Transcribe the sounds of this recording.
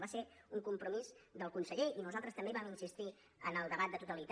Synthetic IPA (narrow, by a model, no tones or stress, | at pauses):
βaseuŋkumpɾumizd̪əlˠkunsəʎeinuzalˠt̪ɾəst̪əmbeβaminsist̪i | ənəlˠd̪əβ̞at̪d̪ət̪ut̪əlit̪